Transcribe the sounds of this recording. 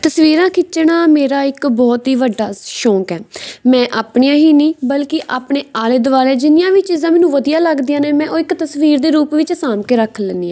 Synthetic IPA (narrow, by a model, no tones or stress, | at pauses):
t̪əsʋiːɾãːkʰɪt͡ʃɳaːmeːɾaːɪkbɔːt̪ɦiːʋəɖaːʃɔːkɛːmɛ̃ːʔaːpɳɪjãːɦiːnĩːbəlkɪʔaːpɳeːaːleːd̪ʊʋaːleːd͡ʒɪnɪjãːʋiːt͡ʃiːzãːmɛːnũːʋəd̪ijaːləɡd̪ijãːnẽːmɛ̃ːʔoːɪkt̪əsʋiːɾd̪eːɾuːpʋɪt͡ʃsaːmkeːɾəkʰəlɛnd̪iːãː